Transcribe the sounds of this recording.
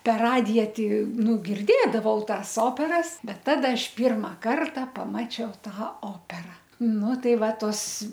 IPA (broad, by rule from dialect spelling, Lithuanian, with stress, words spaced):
pʲɛr ˈrɑːdʲɪjɛ tʲɪ ˈnʊ ɡʲɪrʲˈdʲeːdɐʋɐʊ ˈtɑːs ˈoːpʲɛrɐs ˈbʲɛt ˈtɑːdɐ ˈɐʃ ˈpʲiːrmɐ ˈkɐrtɐ pɐˈmɑːt͡ʃʲɛʊ ˈtɑː ˈoːpʲɛrɐ ˈnʊ ˈtɐɪ ˈʋɐ ˈtoːs